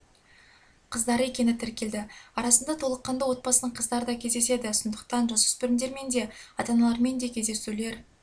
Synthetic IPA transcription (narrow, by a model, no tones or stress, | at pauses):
qʰəzd̪ɑɾəe̞kʲe̞nɪt̪ʰɪɾkʲe̞ld̪ɪɑɾɑsənd̪ɑt̪ʰo̞lˠəqːɑnd̪ɑwo̞t̪̚bɑsənəɴqʰəzd̪ɑɾəd̪ɑkʲʰe̞zd̪e̞se̞d̪ɪsond̪əqt̪ɑnʒɑsʏ̥spɪɾɪmd̪e̞ɾme̞nd̪e̞ɑt̪ɑnɑlˠɑɾme̞nd̪e̞kʲʰe̞zd̪e̞sule̞ɾ